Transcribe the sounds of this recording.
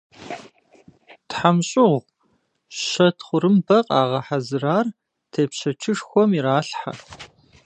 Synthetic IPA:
tħamɕʼɪʁʷ | ɕɐtʰχʷʊɾɨmbɐqʼaːʁɐħazɨraːr | tʰeːpɕɐt͡ʃʰɨʂxʷɔmiɾaːɬħa̰

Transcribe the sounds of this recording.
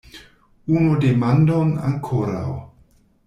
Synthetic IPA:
unodemandona̰ŋkʰoɾa̰w

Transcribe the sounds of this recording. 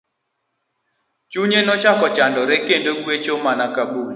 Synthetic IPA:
t͡ʃuɲenɔt͡ʃakɔt͡ʃandɔɾekendoɡwet͡ʃomanakabul

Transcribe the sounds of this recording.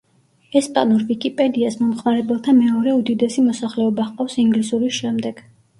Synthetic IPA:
ɛspʼa̰nuɾvikʼipʼɛd̪iasmɔmχmaɾɛbɛlˠt̪ʰamɛɔɾɛud̪id̪ɛsimɔsaχlɛɔbaχqʼɔfsiŋɡlisuɾisʃɛmd̪ɛɡ̥

